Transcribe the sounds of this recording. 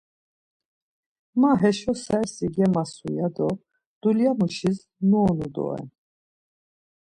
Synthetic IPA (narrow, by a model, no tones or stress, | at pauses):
maɦɛʃɔsɛɾsiɡɛmasujad̪ɔ | d̪̥uljamuʃis | nuːnud̪ɔ̰ɛ̰n